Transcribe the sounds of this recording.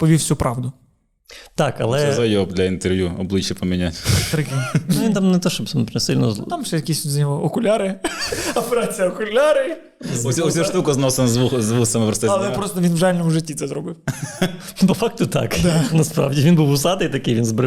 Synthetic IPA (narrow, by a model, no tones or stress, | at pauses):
pɔʋʲifsʲupɾɑʋd̪ʊ | t̪ɑkɐ̰lˠɛɛzɐjɔbd̪lʲɐint̪erʋjuɔblˠɪt͡ʃjɐpɔmʲinʲatʲt̪ɾɪkɪnʊʋint̪amnɛt̪ɔʃt͡ʃɔbsɐmpɛsɪlʲnɔ̰t̪ɑmʂɛjɐkʲisʲzʲɐnʲɔɦɔɔkʊlʲaɾɪɐpeɾat͡sʲijɐɔkʊlʲaɾɪ | sʲsʲuʃtt̪ukɐznɔsenɐzʋuzʋusɐmɪpɾɔst̪ɛɐlˠɛpɾɔst̪ɔʋʲinwʐalʲnɔmʊʒɪtʲːit̪sɛzɾɔbɪw | pɔfɑk̚t̪ʊt̪ɑ̰knɐspɾɑ̰ʋdʲiʋʲinbuwʊsɑd̪ɐjt̪ɐkɪjʋʲinzbɾɪ